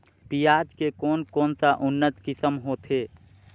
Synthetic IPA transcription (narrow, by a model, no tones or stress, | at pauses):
pijad͡ʒkekoːnkɔːnsaʔʊnːət̪kɪsəmɦoːt̪ʰe